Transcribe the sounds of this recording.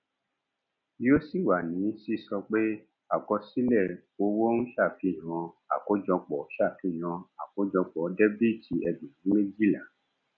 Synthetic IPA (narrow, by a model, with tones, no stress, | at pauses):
jo˦si˦˨wa˨nĩ˨˦si˦˨sɔ˧k͡pe˦ | a˨kɔ˧si˦lɛ˦˨ | o˧wo˦n̩˦ʃa˦˨ki˦˨j̃ã˧a̰˨ko˨˦d͡ʒɔ̃˧k͡pɔ˨˦ʃa˦˨ki˦˨j̃ã˧a˨ko˨˦d͡ʒɔ̃˧k͡pɔ˨˦dɛ˦bi˦˨tʰi˧ɛ˧dũ˨nĩ˨˦me˦d͡ʒi˦˨la˨